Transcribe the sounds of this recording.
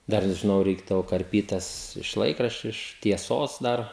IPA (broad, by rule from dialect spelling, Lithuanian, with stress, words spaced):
ˈdɐr ʒʲɪˈnɐʊ ˈrʲɛɪɡdɐʋoː kɐrʲˈpʲiːt ˈtɐs ɪʃ ˈlˠɐɪkrɐʃʲt͡ʃʲʊ ɪʃ tʲiɛˈsoːs ˈdɐr